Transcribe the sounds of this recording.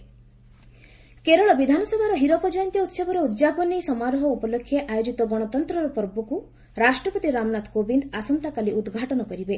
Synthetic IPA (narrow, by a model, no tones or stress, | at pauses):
keɾɔɭɔbid̪ʱanɔsɔbʱaɾɔɦiɾɔkɔd͡ʒɔjɔnt̪ijɔut̪sɔbɔɾɔud̪d͡ʒapɔnisɔmaɾɔɦɔupɔlokʰːjeʔajod͡ʒit̪ɔɡɔɽ̃ɔt̪ɔnt̪ɾɔɾɔpɔɾbɔku | ɾasʈɾɔpɔt̪iɾamnat̪kobind̪asɔmt̪akaliud̪ɡʱaʈɔnɔkɔɾibe